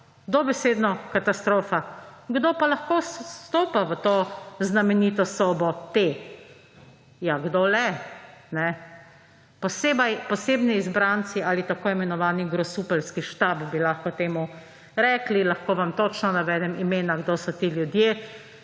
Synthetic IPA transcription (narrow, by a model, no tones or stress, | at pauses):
d̪obɛseːd̪nɔkat̪ast̪ɾoːfaɡd̪oːpalaxkosst̪oːpaʋət̪oːznamɛniːt̪ɔsɔːbɔt̪e | jaɡd̪oːlɛnɛ | pɔseːbajpɔseːbniːzbɾant̪sialit̪akoːimɛnɔʋaːniɡɾɔsuːpɛlskiʃt̪aːbbilaxkɔt̪eːmu | ɾɛːklilaxkoːʋamt̪ot͡ʃnɔnaʋɛːd̪ɛmimeːnaɡd̪oːsɔt̪iljud̪je